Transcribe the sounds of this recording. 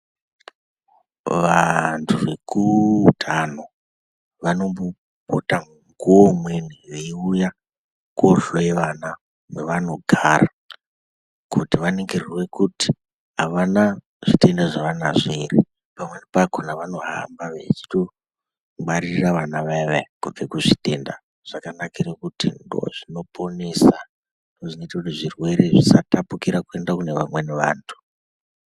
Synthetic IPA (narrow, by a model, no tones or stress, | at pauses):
ʋantʰuʋe̞̰kʰutʰano | ʋano̞mbo | potaŋŋɡuwomwenijeiuja | kwoɬoeʋana | mweʋano̞ɡʱaːɾa | kutiʋaneŋɡeriwekuti̥ | ɦaʋana | ʐ̥ite̞ndaʐaʋana̰ʐiri | pamwe̞nipakonaʋano̞ɦa̰mbaʋet͡ʃi̥to̞ | ɡ͡baɾiiraʋanaʋeʋekokekuʐite̞nda | ʐ̥akanakirekutḭndo̰ʐino̞po̞nesa | doʐinoitakutiʐirwe̞ɾe̞ʐisatapukiɾakue̞ndakune̞ʋamwe̞neʋaːntʰu̥